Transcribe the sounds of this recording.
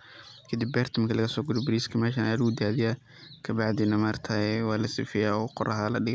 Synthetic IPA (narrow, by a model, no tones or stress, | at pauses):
kʰɐd̪ɪbːɛːrt̪ʰɔmkʰɐlɐɣɐsɔːɡʊɾɔbɪɾiːskʰɐmɛːʃɐnaːlʊɡʊd̪aːðɪja | kʰɐbɑʕðɪnɐmaːrt̪ʰɐɛwɑːlɐsɪfɪjaːɔːqɔɾʔɐɦɐlɐɖɪɣɐ